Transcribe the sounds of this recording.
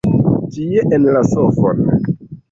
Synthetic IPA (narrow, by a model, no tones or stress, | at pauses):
tieʔenlasofo̰n